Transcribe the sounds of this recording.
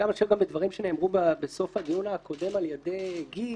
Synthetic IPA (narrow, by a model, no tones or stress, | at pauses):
amaʃavɡambed̪vaʁimʃene̞ːmʁubabeso̞faɡijunakʰo̞de̞maljede̞jɡi